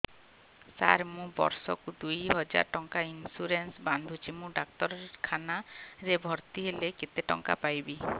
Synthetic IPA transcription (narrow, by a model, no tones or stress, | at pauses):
sa̰ɾmũbɔ̰ɾsɔkud̪ujɦɔd͡ʒa̰ɾʈɔŋkainsuɾensband̪ʱut͡ʃʰimũɖakt̪ɔɾɔkʰanaɾebʱɔɾt̪iɦeleket̪eʈɔ̰ŋka̰pajbi